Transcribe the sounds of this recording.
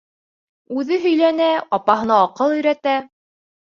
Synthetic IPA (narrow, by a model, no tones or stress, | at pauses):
ʉðɘɦɵ̆jlænæɑpɑɦɤ̆nɑːqɤlˠɵ̆jɾæt̪æ